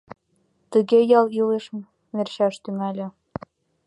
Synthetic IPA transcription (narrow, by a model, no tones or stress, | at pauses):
t̪əɣejɑlileʃm | mʲerɕɑʃt̪ymælʲɘ̆